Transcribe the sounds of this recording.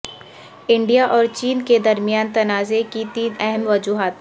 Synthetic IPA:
ɪ̃ɳɖijaʔɔːɾt͡ʃiːnked̪ɐɾmijaːnt̪ɐnaːzekit̪iːnɛɦɛmʋɐd͡ʒuːɦaːt̪

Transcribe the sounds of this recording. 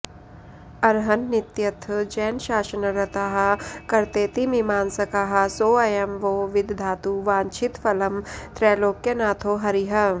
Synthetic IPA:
ɐɾɦɐnːɪt̪jɐt̪ʰd͡ʒɛːnʃaːʃənɐɾɐt̪aɦɐkɐɾt̪eːt̪imimaːnsɐkaɦɐsoːɐjɐmʋoːʋɪd̪ʱd̪ʱaːt̪uʋãːnt͡ʃʰɪt̪fɐlɐmt̪ɾɛːloːkːjenaːt̪ʰoːɦɐɾiɦɐ

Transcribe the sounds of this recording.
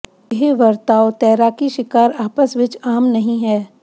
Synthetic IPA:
ɦiʋɐɾt̪aːot̪ɛːɾaːkiʃɪkaːɾaːpəsʋɪt͡ʃaːmnɐɦĩɦɛː

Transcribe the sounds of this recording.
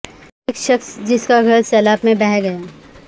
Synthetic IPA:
eːkʃəksd͡ʒɪskaɡʱɐɾsɛːlaːbmẽbɛɦɡɐjaː

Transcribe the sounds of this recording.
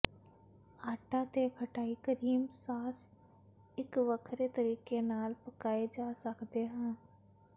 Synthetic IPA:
aːʈat̪ekʰɐʈaːikəɾiːmsaːs | ɪkʋəkʰɾet̪əɾiːkenaːlpəkaːed͡ʒaːsəkt̪eɦɛ̃ː

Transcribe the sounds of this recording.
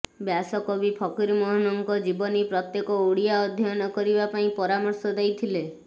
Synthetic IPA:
bjasɔkɔbipʰɔkiɾmɔɦɔnɔŋkɔd͡ʒibɔnipɾɔt̪jekɔuɽijaɔd̪ʱjɔjɔnɔkɔɾibapaĩpɔɾamɔɾsɔd̪ejt̪ʰile

